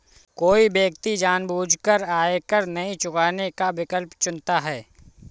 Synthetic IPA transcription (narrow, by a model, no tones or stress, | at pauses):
koːibeːk̚t̪id͡ʒaːnbʱuːd͡ʒʱkəɾaːekəɾnɐɦĩt͡ʃʊkaːnekabɪkəlpt͡ʃʊnt̪aɦɛː